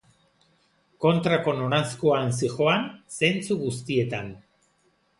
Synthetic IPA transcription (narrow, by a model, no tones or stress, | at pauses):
ko̞nt̪ɾako̞nonaskoansixo̞anse̞nt͡suɣust̪ie̞t̪an